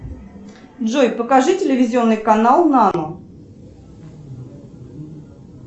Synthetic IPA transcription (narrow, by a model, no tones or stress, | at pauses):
dʐojpəkaʐɨtʲɪlʲɪvʲɪzʲɪonːɨjkanalˠnanu